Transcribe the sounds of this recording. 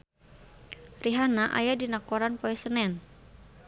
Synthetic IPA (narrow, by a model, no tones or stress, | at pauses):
riɦanaʔa̰jadinakɔɾanpɔɛsənɛn